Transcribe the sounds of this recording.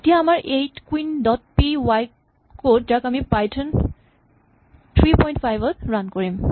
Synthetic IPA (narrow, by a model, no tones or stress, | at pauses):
tijaamaɹejtkwindɔt̚piwaj | kod̚d͡ʒakamipajtʰʌn | t̪ʰɹipɔjnʈpʰajbɔtɹankɔɹim